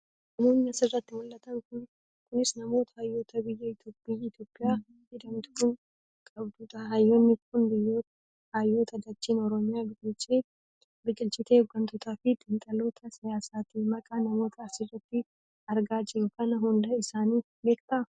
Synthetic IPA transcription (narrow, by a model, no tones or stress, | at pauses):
nɐmoːnːɐɐsɪrːɐt̪ːɪmʊlːɐt̪ɐŋkʊn | kʊnɪsnɐmo̞ːt̪ɐ̥haːjːo̞ːt̪ʰɐbɪjːɐɪt̪joːpʼːiɪt̪jo̞ːpʼːɪjaː | hɪd̪ɐnt̪ʊ̥kʊn | kʼɐbd̪uːᶑ̪ɐhajːoːnːɪkʊnbɪjːoːt̪ɐ | haːjːoːt̪ɐd̪ɐt͡ʃːiːnɔɾɔmɪjaːbɪɡʼɪlt͡ʃʼeː | bɪd͡ʒʼɪlt͡ʃʼɪt̪eɔɡːɐnt̪ɔt̪ʰaːfɪd̪ʼɪnt̪ʼɐlo̞ːt̪ʰɐsɪjaːsaːt̪imɐkʼanɐmo̞ːt̪ʰɐːsɪrːɐt̪ːɪ | ɐɾɡaːd͡ʒɪɾʊkɐnɐɦʊnd̪ɐɪsaːniː | beːkt̪ɐʔɐ